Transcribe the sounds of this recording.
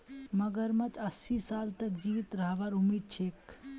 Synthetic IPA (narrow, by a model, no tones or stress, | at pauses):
məɡəɾmət͡ʃəsisalt̪əkd͡ʒiʋit̪ɾəɦbaɾumiːd̪̚t͡ʃʰek